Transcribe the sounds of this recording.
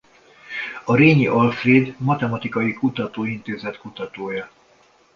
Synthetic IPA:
ɒɾeːɲiʔɒlfreːd̪mɒt̪ɛmɒt̪ikɒjikut̪ɒt̪oːint̪eːzɛt̪kut̪ɒt̪oːjɒ

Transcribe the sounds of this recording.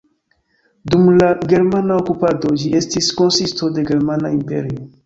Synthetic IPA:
dumlaɡe̞ɾmanaokupado̞d͡ʒie̞stisko̞nsisto̞de̞ɡe̞ɾmanaimpḛɾio

